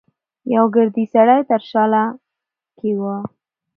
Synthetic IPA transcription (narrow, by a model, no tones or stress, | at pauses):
jawɡəɾd̪isaɽajt̪əɾʃɑla | kʰewə